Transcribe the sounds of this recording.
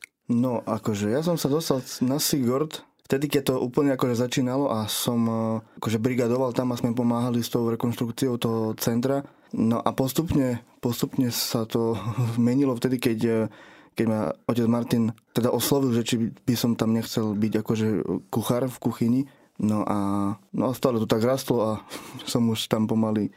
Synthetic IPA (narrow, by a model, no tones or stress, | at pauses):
nɔʔakɔʒɛjas̬ɔmsad̪ɔst̪alnasiɡɔɾt̪ | ft̪ɛd̪ikɛc̚t̪ɔʔuːpl̩ɲɛakɔʒɛzat͡ʃiːnalɔʔasɔmakɔʒɛbɾiɡad̪ɔʋalt̪amasmɛp̬ɔmaːɦalist̪ɔʊɾɛkɔnʃt̪ɾukt͡siɔʊt̪ɔɦɔt͡sɛnt̪ɾa | nɔʔapɔst̪upɲɛpɔst̪upɲɛsat̪ɔzmɛɲilɔft̪ɛd̪ikɛc | kɛɟmaɔcɛd͡zmaɾt̪int̪ɛd̪aʔɔslɔʋilʒɛt͡ʃib̥isɔmt̪amɲɛxt͡sɛlbiɟakɔʒɛkuxaɾfkuxiɲi | nɔʔanɔast̪aːlɛt̪ɔt̪aɡɾast̪lɔasɔmuʃt̪ampɔmali